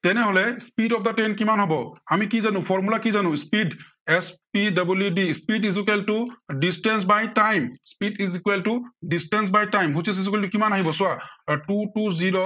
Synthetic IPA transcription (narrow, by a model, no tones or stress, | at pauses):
tɛnɛɦɔlɛspidɔp̚d̪atenkimanɦɔbɔamikizanʊ̃pʰɔɹmulakizanʊ̃spid | ɛspidabuljudispidizikɛltudisʈɛns̬bajtajmspidizikweltudistɛns̬bajtajmɦusis̬is̬ikelitukimanaɦibɔsʊatutuziɹo